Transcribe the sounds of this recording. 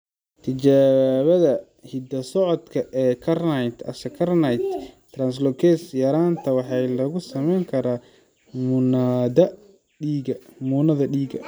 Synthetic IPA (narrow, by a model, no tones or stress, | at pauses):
t̪ʰɪt͡ʃaːβɐðɐ | hɪd̪ɐsɔʕɔd̪kʰɐʔɛːkʰɐrnɐjt̪ʰɐ̰sɐkʰɐrnɐjt̪t̪ːrɐnslɔkʰɛsjɐɾaːnt̪ʰɐwɑħɑjlɐɣʊsɐmɛjŋkʰɐɾaː | mʊnaːdɐ | ɖiːɡɐmuːnɐðɐɖiːɡɐ